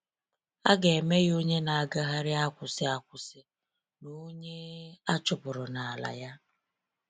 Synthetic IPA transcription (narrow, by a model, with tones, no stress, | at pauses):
a˦ɡe˨me˦ɣo˦ɲe˦na˨a˨ɡa˦ɦa˦ɾɪ˦a˦kʷʊ˨sɪ˦a˦kʷʊ˨sɪ˦ | no˦ɲe˦a˦t͡ʃʊ˨pʊ˨ɾʊ˨na˨a˨la̰˨ja˦